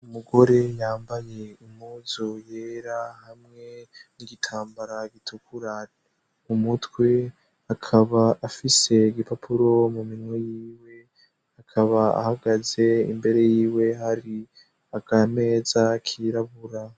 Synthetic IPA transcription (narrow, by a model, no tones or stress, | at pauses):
umuɡo̞ɾe̞jaːmbaje̞imuːzoje̞ːɾahamŋe̞niɡitʰaːmbaɾaɡitʰukʰuɾaɾ | umutwe̞ | akʰaβaːfise̞ɡipapʰuɾo̞muminwejiːwe̞ | akʰaβaa̰haɡaze̞ḭmbe̞ɾe̞jiːwe̞haɾi | akame̞ːzakʰiːɾaβuɾa